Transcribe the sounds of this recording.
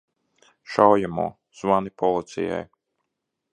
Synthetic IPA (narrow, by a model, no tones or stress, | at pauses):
ʃawjamṵː | z̥vanipɔlˠit̪sḭja̰j